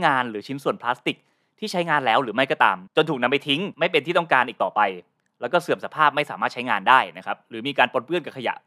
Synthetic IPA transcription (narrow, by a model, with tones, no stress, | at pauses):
ŋaː˧nɾɯː˩˦t͡ɕʰi˦˥nsu˨˩ənpʰlaː˦˥st̪i˨˩k̚ | t̪ʰiː˥˩t͡ɕʰa˦˥jŋaː˧nlɛː˦˥wɾɯː˩˦ma˥˩jkɔː˥˩t̪a̰ː˧mt͡ɕo˧t̪ʰuː˨˩k̚na˧mpa˧jt̪ʰi˦˥ŋma˥˩jpe˧nt̪ʰiː˥˩ɔ˥˩ŋkaː˧nʔiː˨˩kt̪ɔː˨˩pa˧j | lɛː˦˥wkɔː˥˩sɯ˨˩əmsa˧˦pʰaː˥˩p̚ma˥˩jsaː˩˦maː˥˩t͡ɕʰa˦˥jŋaː˧ndaː˥˩jna˦˥kʰa˦˥p̚ɾɯː˩˦miː˧kaː˧npo˧npɯ˥˩ənka˨˩kʰa˧ja̰˨˩ʔ